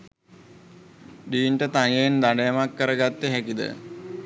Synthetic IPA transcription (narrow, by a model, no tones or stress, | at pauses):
ɖiːɳʈət̪aŋend̪aɖejəmakːəɾəɡat̪ːeɦækid̪ə̰